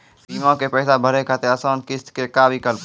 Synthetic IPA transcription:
piːmõkepɛːsabʱəɾekʰat̪eəsoːnkɪst̪kekaːbʱikəlp

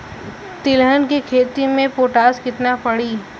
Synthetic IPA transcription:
t̪ɪlɦənkikʰeːt̪imẽpoːʈaːskɪt̪napɐɽiː

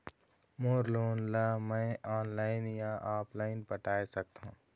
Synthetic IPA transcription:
moːɾloːnlaːmɛ̃ʔɔːnlaːɪnjãʔaːpʰlaːɪnpəʈaːesɐk̚t̪ɦṵ̃ː

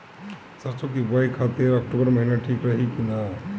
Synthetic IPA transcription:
sʌɾt͡sʰokibajkʰat̪iɾək̚ʈubəɾməɦinaʈʰikɾəɦikina

